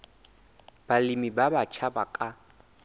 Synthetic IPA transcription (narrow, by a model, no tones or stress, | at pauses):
b̥alɪmibabat͡ʃʰabakʼa